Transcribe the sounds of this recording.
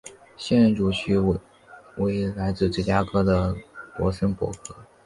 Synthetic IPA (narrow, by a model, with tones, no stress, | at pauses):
ɕjɛ˥˧nɻə˥nʈ͡ʂu˨˩t͡ɕʰy˥ | we˧˥ɪ˥la˧˥ɪt͡sɹ̩˥˧ʈ͡ʂɻ̩˥˩t͡ɕja˥kʰɤ˥d̪ə˨pwɔ̰˧˥sə˥npwɔ̰˧˥kʰɤ˥